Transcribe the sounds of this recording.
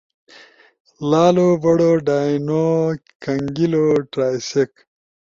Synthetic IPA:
laːloːbɐɽoːɖaːjno | kɐŋɡiloʈɾaːjsek

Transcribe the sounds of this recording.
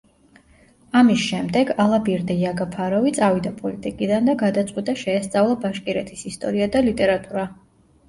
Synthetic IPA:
amisʃɛmd̪ɛɡalˠabiɛɾd̪ɛjaɡapʰaɾɔvit̪sʼavid̪apʼɔlit̪ʼikʼid̪and̪aɡad̪at̪sʼqʼwit̪ʼaʃɛːst̪sʼavlˠabaʃkʼiɾɛt̪ʰisist̪ʼɔɾiad̪alit̪ʼɛɾat̪ʼuɾa

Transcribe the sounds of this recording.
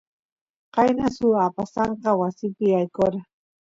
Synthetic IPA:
qɑjnasʊapasɑɴqɑwasɪpɪajkoɾa

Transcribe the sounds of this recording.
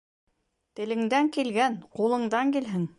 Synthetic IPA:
t̪ɘ̆lɘ̆ŋd̪æŋkilɡænqulˠɤ̆ɴd̪ɑŋkilɦɘŋ

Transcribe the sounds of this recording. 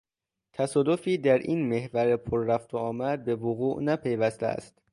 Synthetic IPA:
t̪ʰæsɒːd̪o̞fiːd̪æɾʔiːnme̞hvæɾepʰoɾːæft̪ʰoɒːmæd̪̚be̞voɣuːʔnæpʰe̞jvæst̪ʰḛæ̰st̪

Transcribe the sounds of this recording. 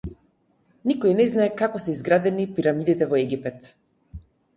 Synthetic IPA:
nikɔinɛznaɛkakɔsɛizɡɾad̪ɛnipiɾamid̪it̪ɛvɔɛɡipɛt̪

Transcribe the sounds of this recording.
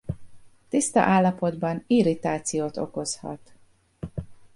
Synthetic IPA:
t̪ist̪ɒ̰ʔaːlːɒpo̞d̪bɒniɾit̪aːt̪sijoːt̪o̞ko̞shɒ̰t̪

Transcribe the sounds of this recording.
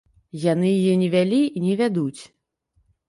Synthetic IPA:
janɨjijɛnʲɛvʲalʲiinʲɛvʲad̪ut͡sʲ

